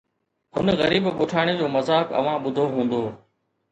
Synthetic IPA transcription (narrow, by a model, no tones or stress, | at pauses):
ɦʊnɣəɾiːbɓʊʈʰaːɽ̃ed͡ʑoːməzaːkə̰ʋ̤ãːɓʊd̪ʱoːɦũːnd̪oː